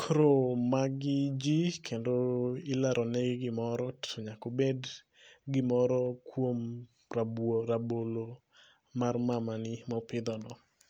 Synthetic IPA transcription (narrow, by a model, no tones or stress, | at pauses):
kɾomaɡɪd͡ʒikʰendoɪlaɾɔneɡɡɪmɔɾɔtʰɔɲakobed | ɡɪmɔɾɔkwom | raboɾabolo | marmamanɪmɔpɪd̪ɔnɔ